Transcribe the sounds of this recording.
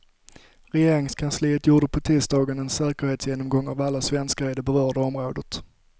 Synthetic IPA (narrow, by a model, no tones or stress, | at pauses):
ɾɛjeːɾɪŋskʰansliːət̪juːɖəpʰɔt̪ʰiːst̪ɑːɡənɛnsɛːkəɾheːt̪sjeːnɔmɡɔŋːa̰valːasvɛnskaɾɪd̪ɛbɛɾœːɖəɔmɾoːd̪ət̪